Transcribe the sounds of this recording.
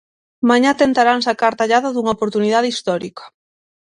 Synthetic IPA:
mãɲat̪ent̪aɾaŋsakaɾt̪aʎaðɐðuŋɐopoɾt̪uniðaðeist̪ɔɾikɐ̥

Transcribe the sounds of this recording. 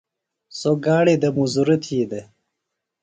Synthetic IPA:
soɡaːɽed̪ɐmuzuɾit̪ʰiːd̪e

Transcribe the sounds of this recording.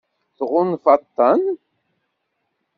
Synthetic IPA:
θʁʊnfɑt̪ːɑn

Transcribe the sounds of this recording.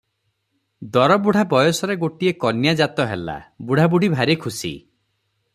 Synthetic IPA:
d̪ɔɾɔbuɽ̤ʱabɔjɔsɔɾeɡoʈiekɔnjad͡ʒat̪ɔɦela̰buɽ̤ʱabuɽ̤ʱibʱaɾikʰusḭ

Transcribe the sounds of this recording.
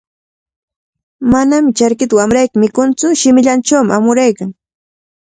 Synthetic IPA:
manamɪt͡ʃaɾkɪt̪awamɾajkɪmɪkʊnt͡sʊʃɪmɪʎant͡ʃawmɪamʊɾajkaŋ

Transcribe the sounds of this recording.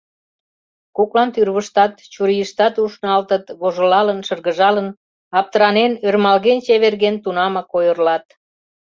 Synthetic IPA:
koklɑnt̪yrβəʃt̪ɑt̪t͡ɕuɾijəʃt̪ɑt̪uʃnɑlt̪ət̪βoʒolɑlənʃərɣəʒɑlən | ɑp̚t̪əɾɑnenørmɑlɣent͡ɕeβerɣent̪unɑmɑkojərlɑt̪

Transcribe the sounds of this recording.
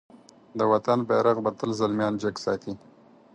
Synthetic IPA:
d̪əwat̪anbeɾaɣbat̪əlzalmjɑːnd͡ʒaksɑ̰ːt̪i

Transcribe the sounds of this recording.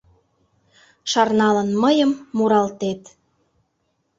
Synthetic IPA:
ʃɑrnɑlə̆nməjəmːuɾɑlt̪et̪

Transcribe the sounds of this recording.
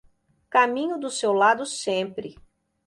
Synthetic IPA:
kamĩɲʊd̪ʊsewlad̪ʊsẽpɾɪ

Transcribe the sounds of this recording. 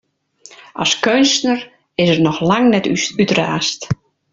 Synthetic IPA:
a̰skønstnər | ɪsərnɔxlaŋnɛtytraːst

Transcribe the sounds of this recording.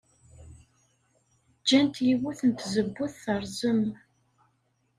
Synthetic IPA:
d͡ʒːænt̪jiwuθənt̪zəbːuθθəɾˤzəm

